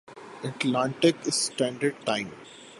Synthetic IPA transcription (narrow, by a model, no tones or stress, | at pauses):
əʈlãːɳʈɪkɪsʈæ̃ɳɖəɾɖʈãɪ̃m